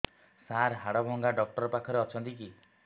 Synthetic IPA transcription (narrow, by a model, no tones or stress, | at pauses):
saɾɦaɽɔbʱɔŋɡaɖɔk̚ʈɔɾɔpakʰɔɾeɔt͡ʃʰɔnt̪ik̬i